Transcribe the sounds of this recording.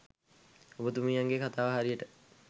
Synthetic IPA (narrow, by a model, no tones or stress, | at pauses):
obət̪umijaŋɡekʰat̪aːʋəɦaɾijəʈə